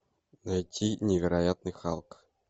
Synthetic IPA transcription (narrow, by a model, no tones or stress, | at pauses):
najtʲʰːinʲevʲɪɾajat̪nɨjχɑ̰lˠk